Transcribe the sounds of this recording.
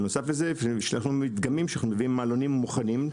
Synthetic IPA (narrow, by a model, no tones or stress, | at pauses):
no̞saflezeʃeanaχnuit̪ɡamimʃanaχnumeviimːalo̞nimːuχanim